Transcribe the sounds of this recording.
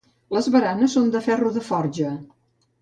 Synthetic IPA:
ləzβəɾanəsːond̪əfɛruðəfɔrʒə

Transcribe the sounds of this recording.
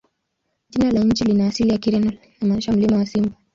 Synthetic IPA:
ʄinalaɲ̩t͡ʃilinaːsilijakiɾɛna | amaiʃam̩limawasimba

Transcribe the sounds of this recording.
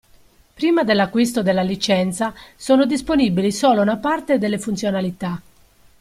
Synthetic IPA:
pɾiːmad̪elːakːwist̪od̪elːalit͡ʃɛnt̪sasɔːnod̪isponibilisɔːlounapart̪ed̪elːefunt̪sjonalit̪a

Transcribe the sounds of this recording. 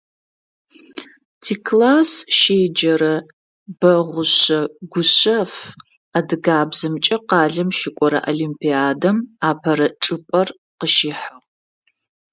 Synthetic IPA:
tʰiːkʰlaːsʃeːd͡ʒɐɾɐ | b̥ɐʁʷʊɕɐɡʷʊɕɐf | adɨɡaːbzɨmt͡ʃʼɐqɑːɮɐmʃɪkʷʼɔɾɐ̰ʔolimpʰiaːdɐmaːpʰɐɾɐʈ͡ʂʼɨpʼɐr | qəʃiːħaʁ

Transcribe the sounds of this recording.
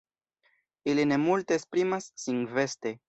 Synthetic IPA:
iline̞multe̞ːspɾimasːiŋve̞ste̞

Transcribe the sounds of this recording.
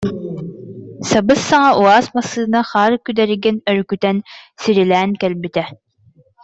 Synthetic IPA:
sɑbɯsːɑŋɑʔuɑːzmɑsɯːnɑχɑːɾkʲyd̪ɛɾɪɡʲɛnøɾkʲyt̪ɛnsiɾɪlɛːnkʲɛlbit̪ʰɛ

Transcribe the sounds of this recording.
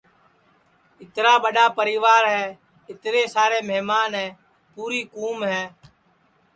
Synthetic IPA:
ɪt̪ɾaːɓəɗaːpəɾiːʋaːɾɦɛː | ɪt̪ɾeːsaːɾeːmeɦmaːnɦɛ̃ː | puːɾiːkuːmɦɛː

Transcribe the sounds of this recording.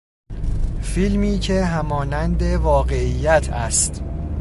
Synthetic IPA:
filmiːcʰe̞ɦæmɒːnænd̪e̞vɒːɢeijːæt̪ʰæst̪

